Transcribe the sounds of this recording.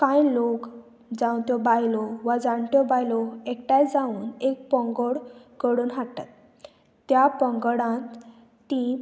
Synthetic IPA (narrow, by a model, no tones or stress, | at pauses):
kãjlok | d͡zãwt̪jɔbajlɔʋad͡zaɳt̪ɔbajlɔek̚ʈajd͡zauːnek̚pəŋɡəɽkəɽuːnɦata̰t̪ː | japəŋɡɽãt̪ː | ĩ